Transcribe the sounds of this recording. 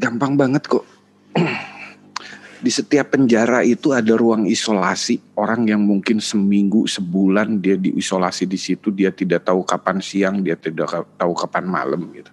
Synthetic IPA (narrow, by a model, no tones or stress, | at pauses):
ɡampaŋbaŋət̪̚kɔʔ | disət̪iapːəɲd͡ʒaɾait̪uadaɾuaŋisolasioɾaŋjaŋmuŋkɪnsəmiŋɡusəbulandiadiʔisola̰sidisit̪udiat̪idaʔt̪aukapansiaŋdiat̪ida̰ʔt̪aukapanma̰ləmɡit̪u̥